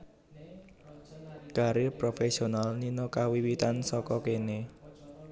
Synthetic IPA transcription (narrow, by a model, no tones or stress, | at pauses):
ɡ̥a̤ɾepɾofesionalninokawiwit̪ansɔkɔkene